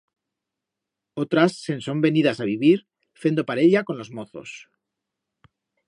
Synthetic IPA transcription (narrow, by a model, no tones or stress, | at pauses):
ot̪ɾasːe̞nso̞mbe̞niðasaβ̞iβiɾ | fe̞nd̪opaɾe̞ʎako̞nlo̞zmo̞θo̞̰s